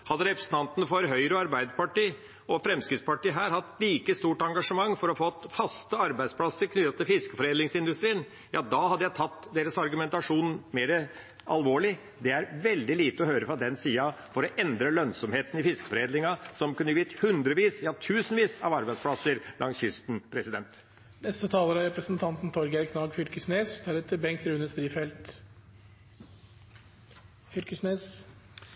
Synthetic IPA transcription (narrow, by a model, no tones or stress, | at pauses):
hɑd̪ːəɾɛpɾəsən̩ɑnt̪ənəfɔɾɦœʏɾəɑɾbæɪd̪əpɑʈiː | ɔfɾɛmskɾɪt̪spɑʈiːɦæːɾhɑt̪ːliːkəst̪uːʈɑŋɡɑʂəmɑŋːfɔɾɔfɔt̪ːfɑst̪əɑɾbæɪd̪spʰlɑsəɾkʰnʏt̪ɑt̪ʰɪlfɪskə̥fɔɾeːd̪lɪŋsɪnd̪ʉst̪ɾiːn | jɑːd̪ɑhɑd̪ːəjæɪt̪ʰɑt̪ːd̪eːɾəsɑɾɡʉmɛnt̪ɑʂuːnmeːɾə | ɑlʋoːɭɪ | d̪ɛæɾʋɛld̪ɪliːt̪əɔhøːɾəfɾɑd̪ɛnsiːɑfɔɾɔʔɛnd̪ɾəlœnsɔmheːt̪nɪfɪskə̥fɔɾeːd̪lɪŋɑsɔmkʉnːəʋiːt̪hʉnd̪ɾəʋiːsjɑːt̪ʰʉːsnʋiːsɑʋɑɾbæɪd̪spʰlɑsəɾlʔɑŋsjʏst̪n̩pʰɾɛsɪd̪ɛnt̪ | nɛst̪ət̪ʰɑːləɾɑɾɛpɾəsənt̪ʰɑnt̪n̩t̪ʰɔɾɡæɾkʰnɑːɡfʏlkəsneːsd̪æɾɛt̪ːəbɛŋkt̪ɾʉnəsd̪ɾiːfɛlt̪ | fʏlkəsneːs